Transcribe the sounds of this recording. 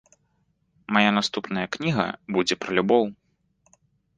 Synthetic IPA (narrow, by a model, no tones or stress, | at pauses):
majanast̪upnɐjɐknʲiɣɐ̰bud͡zʲɛpɾɐlʲubɔw